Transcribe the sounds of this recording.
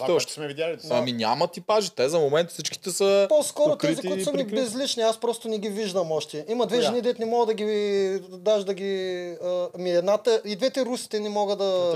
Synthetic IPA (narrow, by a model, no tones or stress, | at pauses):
sɛvialɐminʲa̰mɐt̪ipaʒit̪ɛzɐmomɛnt̪sit͡ʃki̥t̪ɛsɐposkɔɾotk̪ɛzik̪ʊiosmmɛbɛzlit͡ʃniaspɾɔst̪ʊnɛɡʲiviʒd̪ɐmɔʃt̪ɛimɐd̪vɛʒɛnid̪ɛt̪nɛmɔɡəd̪ɐɡʲi | d̪aʒd̪ɐɡʲiəmiɛd̪nat̪əid̪vɛt̪ɛɾusi̥t̪ɛnɛmɔɡəd̪ɐ